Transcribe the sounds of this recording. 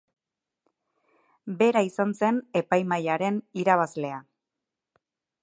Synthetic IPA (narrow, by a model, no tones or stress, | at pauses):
be̞ɾaisanse̞ne̞pajmajaɾe̞niɾaβ̞azle̞a